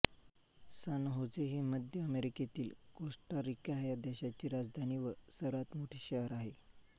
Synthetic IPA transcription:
sanɦod͡zeɦiməd̪ʱjəəmeɾiket̪iːlɡoʂʈaɾikaɦjad̪ɛɕat͡ɕiːɾad͡zd̪ʱaniːʋəsəɾʋat̪moʈʰiːɕəɦəɾaɦe

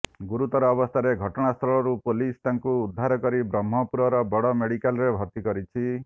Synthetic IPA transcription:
ɡuɾut̪ɔɾɔːbɔst̪ʰaɾeɡʱɔʈɔɽ̃ast̪ʰɾɔɭɔɾupolist̪aŋkuːd̪ʱːaɾɔkɔɾibɾɔmːɔpuɾɔɾɔbɔɽɔmeɽikalɾebʱɔɾt̪ikɔɾit͡ʃʰi

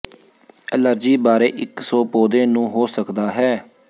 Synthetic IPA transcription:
ələɾd͡ʒiːbaːɾeːʔɪksɔːpoːd̪ẽːnũːɦoːsəkd̪aːɦɛː

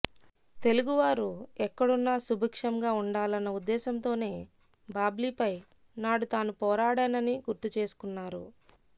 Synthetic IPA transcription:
t̪e̞luɡuʋaːɾuɛkːɐɽunːaːsubʱɐkʂɐmɡaːuɳɖaːlɐnːɐud̪ːɛːsɐnt̪o̞ːne̞ː | baːbliːpɐj | naːɽut̪aːnupɔːɾaːɽaːnɐniɡuɾt̪ut͡ʃe̞ːsu̥kunːaːɾṵ

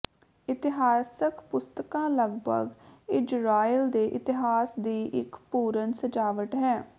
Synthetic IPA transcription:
ɪt̪ɪɦaːsəkpʊst̪əkãːləɡbə̰ɡɪd͡ʒɾaːild̪eːʔɪt̪ɪɦaːsd̪iːʔɪkpuːɾənsəd͡ʒaːʋəʈɦɛː

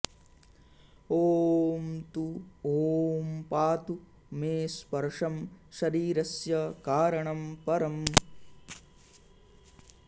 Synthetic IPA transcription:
oːmt̪uoːmpaːt̪u | meːspɐɾʂɐmʃɐɾiːɾɐsjɐkaːɾɐɳɐmpɐɾɐm

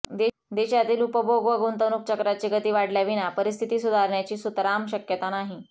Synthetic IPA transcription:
d̪e | d̪eɕat̪iːlupəboɡʋəɡont̪ənuːk̚t͡ɕəkɾat͡ɕiɡət̪iːʋaɽljaʋinapəɾis̬t̪ʰit̪iːsud̪ʱaɾɳjat͡ɕiːsut̪ɾamɕəkjət̪anaɦi

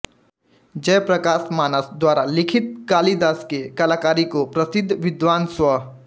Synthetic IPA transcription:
d͡ʒɐjpɾəkaːsmaːnəsd̪waːɾalɪkʰɪt̪̚kaːlid̪aːskekɐlaːkaːɾikopɾɐsɪd̪ʱʋɪd̪ʋaːnswɐ

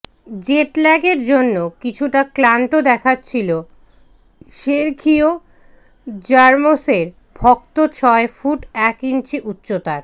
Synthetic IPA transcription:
d͡ʑeʈlɛɡeɾd͡ʑonːokit͡ɕʰuʈaklant̪od̪ɛkʰatːɕʰilo | ʃeɾkʰio | d͡ʑaɾmoseɾ | bʱɔk̚t̪ot͡ɕʰɔefuʈɛkint͡ɕʰiʔutːɕot̪aɾ

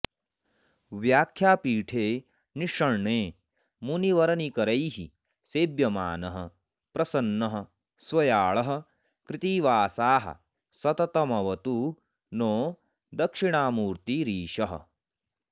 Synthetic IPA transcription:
ʋjaːkʰjaːpiːʈʰeː | niʂɐɳɳeː | muniʋɐɾɐnikɐɾɐjɦi | seːbjɐma̰ːnɐɦɐ̰̆ | pɾɐsɐnːɐɦɐ̆ | sʋɐjaːɭɐɦɐ̆ | kɾɪt̪iːʋaːsaːɦɐ̰ | sɐt̪ɐt̪ɐmɐʋɐt̪u | noː | d̪ɐkʂiɳaːmuːɾt̪iɾiːʃɐɦɐ̰

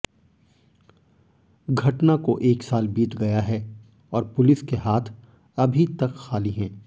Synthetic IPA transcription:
ɡʱɐʈnakoʔeːksaːlbiːt̪ɡɐjaɦɛ | ɔːɾpʊlɪskeɦaːt̪ʰ | ɐbʱit̪ɐkxaːliɦɛ̃ː

